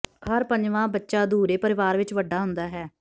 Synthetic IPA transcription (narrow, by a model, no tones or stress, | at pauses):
ɦəɾpəɲd͡ʒʋãːbətːʃaːd̪uːɾeːpəɾɪʋaːɾʋɪt͡ʃʋəɖːaːɦʊnd̪aːɦɛː